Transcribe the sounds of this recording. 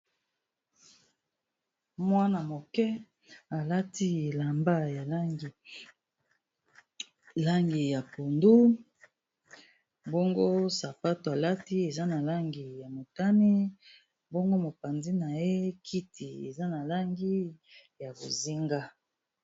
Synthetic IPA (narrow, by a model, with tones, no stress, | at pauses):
mwa˦na˨mo˨kɛ˦ | a˨la˦ti˦e˨la˨mba˦j | la˦ŋɡi˨ja˨ko˨ndu˦ | bo˦ŋɡo˦sa˨pa˦to˨a˨la˦ti˦e˨za˦na˨la˦ŋɡi˨ja˨mo˨ta˦ni˦ | bo˦ŋɡo˦mo˨pa˨nzi˦na˨je˦kʰi˦ti˨ḛ˨za˦na˨la˦ŋɡi˦ja˨bo˨zi˦ŋɡa˦